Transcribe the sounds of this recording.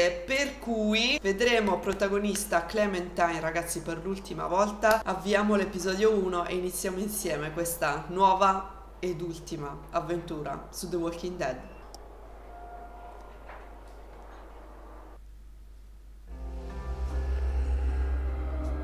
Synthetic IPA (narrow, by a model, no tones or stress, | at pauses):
perkujved̪ɾeːmopɾot̪aɡonist̪aklɛmɛnt̪ajnraɡat̪sːiperlult̪ima̰vɔlt̪aavːiaːmolepizɔːd̪jouːnoʔeinit̪sːjaːmoinsjɛːmekwest̪anwɔːva | ed̪ult̪imaavːent̪uːɾa̰sud̪ewɔlkind̪ɛd̪